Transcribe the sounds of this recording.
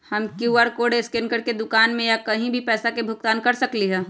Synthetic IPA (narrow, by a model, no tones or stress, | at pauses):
hɐmkjuaːɾkoːɖeskɪnkəɾked̪ʊkaːnmẽjakɐɦĩbʱipɛːsakebʱʊk̚t̪aːnkɐɾsɐkliɦɛː